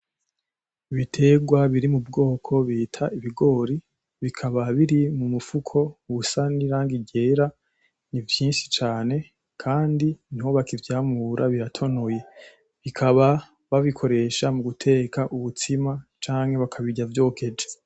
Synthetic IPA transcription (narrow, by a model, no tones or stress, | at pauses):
iβitʰe̞ɡwaβiɾimubɡo̞ːkʰo̞βiːtʰaʔiβiɡo̞ːɾi | βikʰaβaβiɾimumufukʰo̞uβusaniɾaːŋɡiɟe̞ːɾa | nivjiːnʃi̥t͡ʃaːne̞ | kʰaːndiniho̞βakivjaːmuɾʔaβiɾatʰo̞noje̞ | βikʰaβa | βaβikʰo̞ɾe̞ʃamuɡutʰe̞ːkaʔuβutʰimat͡ʃaːŋhe̞βakʰaβiɟavjo̞ːkʰe̞d͡ʒe